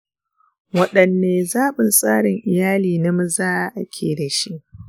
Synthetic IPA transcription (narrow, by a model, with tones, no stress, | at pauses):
wɐ˦ɗɐ˨nːeː˨zaː˦ɓʊ˨nsʼaː˦ɽɪ˨ŋʔɪ˨jaː˦liː˨nɐ˦m˦zaː˦ʔʔa˨kʲʰeː˨da˨ʃi˦ʔ